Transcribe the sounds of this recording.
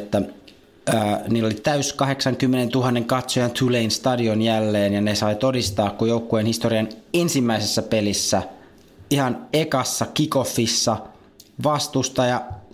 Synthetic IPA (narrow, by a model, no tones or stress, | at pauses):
t̪ːæ | əːniːlːolit̪æyskɑɦe̞ksɑŋkymːenent̪uɦɑnːeŋkɑt̪sojɑnt̪ʰuleinst̪ɑdionjælːeːnjɑnesɑit̪odist̪ɑːkkujoukːuenhist̪oɾiɑnensimːæisesːæpelisːæ | ihɑnekɑsːɑkikofːisːɑ | ʋɑst̪ust̪ɑjɑ